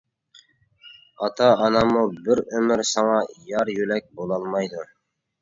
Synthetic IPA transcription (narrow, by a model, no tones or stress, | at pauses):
ɑt̪ɑːnɑmubɪɾɵmɪɾsɑɴɑjɑɾjulæk̚ʲbolˠɑlˠmɑjd̪ʊ